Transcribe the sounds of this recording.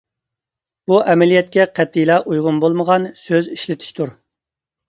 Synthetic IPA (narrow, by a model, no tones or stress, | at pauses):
b̥uʔɛmɛlijɛt̪kʲɛqʰɛt̪ʰːijlˠɑʔujʁʊnbolˠməʁɑnsøziʃlɪt̪ʰɪ̥ʃt̪ʰuɾ